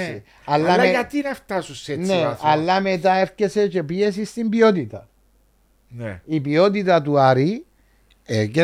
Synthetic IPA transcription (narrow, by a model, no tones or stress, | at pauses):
i | ɐlːɐekɐt̪inɐft̪ɐsuseneɐlːɐmet̪ɐefcese̞t͡ʃe̞pies̬ist̪imbiot̪it̪ɐ | nipiot̪̬it̪ɐt̪uɐɾi | eke